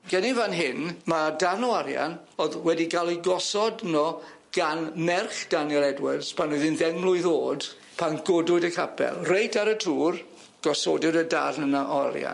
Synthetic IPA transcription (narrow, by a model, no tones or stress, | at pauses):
ɡ̥ɛnɪvanɦɪnmadarnɔaɾja̰n | oðwɛdiɡalˠiɡɔsɔdnɔ | ɡ̥anmɛrχd̥anjɛlˠɛdwɪrz̥pʰanuðɪnðɛŋmlˠʊɨðoːd | pʰanɡ̥odʊɨdəkʰapʰɛ̰lˠrejtʰaɾətʰuːr | ɡ̥ɔso̰dɪdəda̰rnənaʔɔa̰ɾja̰n